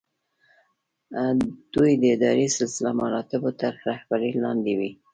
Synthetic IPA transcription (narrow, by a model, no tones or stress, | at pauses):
d̪̥ujd̪əɪd̪ɑɾesɪlsɪlamaɾɑt̪ɪbot̪əɾɾahbaɾilɑnd̪ewi